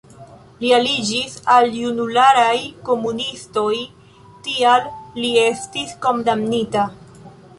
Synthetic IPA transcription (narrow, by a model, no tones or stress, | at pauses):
lialid͡ʒisaljunulaɾajko̞munisto̞j | tialːie̞stisko̞ndamnita